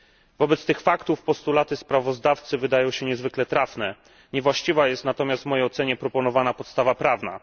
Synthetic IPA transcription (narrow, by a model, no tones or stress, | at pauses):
vɔbɛt̪st̪ɘxfakt̪ufpɔst̪ulat̪ɘspɾavɔzd̪aft̪sɘvɘd̪ajɔ̃w̃ɕɛɲɛzvɘklɛt̪ɾafnɛ | ɲɛvwaɕt͡ɕivajɛst̪nat̪ɔmʲjast̪vmɔjejɔt̪sɛɲɛpɾɔpɔnɔvanapɔt̪st̪avapɾavna̰